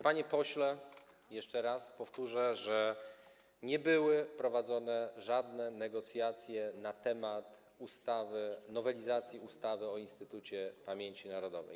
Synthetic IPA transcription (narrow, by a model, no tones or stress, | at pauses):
paɲɛpɔɕlɛ | jɛʂt͡ʂɛɾaspɔft̪uʐɛʐɛ | ɲɛbɘwɘpɾɔvad̪zɔnɛʐad̪nɛnɛɡɔt̪sʲjat̪sʲjɛnat̪ɛmat̪ | ust̪avɘnɔvɛlʲizat̪sʲjiust̪avɘɔinst̪ɘt̪ut͡ɕɛpamʲjeɲt͡ɕinaɾɔd̪ɔvɛ̰j